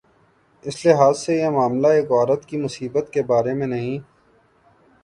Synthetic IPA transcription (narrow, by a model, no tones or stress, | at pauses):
ɪslɪɦaːzsejemaːmlaeːkɔːɾət̪kimʊsiːbət̪kebaːɾemẽnɐɦĩː